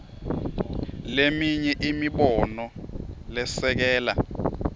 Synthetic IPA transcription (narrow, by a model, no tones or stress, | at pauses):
lemiɲɛʔimiɓɔnɔlɛsɛk̬ɛːla